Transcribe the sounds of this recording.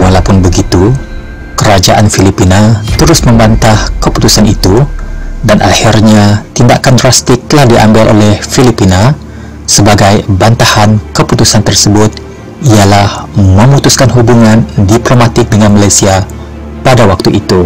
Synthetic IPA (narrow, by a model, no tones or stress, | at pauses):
walapʊnbəɡit̪u | kəɾad͡ʒaʔanfilipinat̪əɾʊsmə̃mbant̪ahkəpu̥t̪usanit̪udanʔahirɲat̪inda̰kandrast̪ɪk̚lahdiʔa̰mbalʔo̰lɛhfilipina | səbaɡajbant̪ahankəput̪usant̪ərsəbʊt̪̚ | ialahmə̃mut̪uskanɦubuŋãndiplomat̪ɪk̚dəŋanmalajsia | padawak̚t̪uʔit̪u